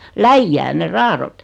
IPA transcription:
læijːæːn̆ ne rɑːrot

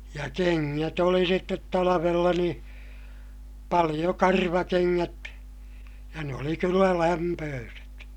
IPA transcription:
jɑ keŋːæt oli sitːet tɑlɑʋelːɑ niː pɑlij̆o kɑrʋɑkeŋːæt jɑ ne oli kylːæ læmpøːset

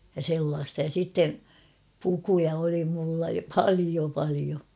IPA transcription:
jɑ selːɑːstɑ jɑ sitːe pukujɑ oli mulːɑ pɑlio pɑlio

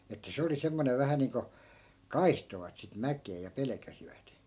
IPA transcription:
etːæ se oli semːoneʋ ʋæhæ niːŋko kɑihtoʋɑt sit mækˑeː jɑ pelĕkæsiʋæt

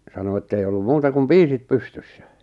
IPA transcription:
sɑno etːei olːum muːtɑ kum piːsit pystysːæ̥

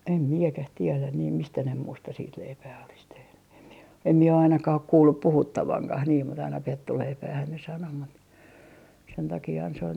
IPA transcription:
em miekæh tielæn niːm mistæ ne muːstɑ siːt leipæː olis tehny em mie em mie o ɑinɑkɑh ok kuːlːup puhutːɑʋɑŋkɑh niːm mut ɑinɑ petːuleipæːhæn ne sɑno mut sen tɑkiːhɑn se ol

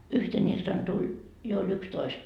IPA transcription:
yhten iltɑn tulʲ jo olʲ ykstoist

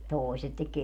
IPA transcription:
toˑeset tek

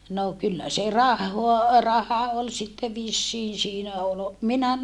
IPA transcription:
no kylːæ se rɑhːoɑ rɑhɑ ol sitːe ʋisːiːn siːnæ ol minæ

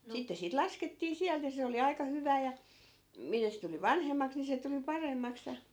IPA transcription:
sitːe siːt lɑsketːiː siælt jɑ se oli ɑikɑ hyʋæː jɑ mitæ se tuli ʋɑnhemːɑks ni se tuli pɑremːɑks jɑ

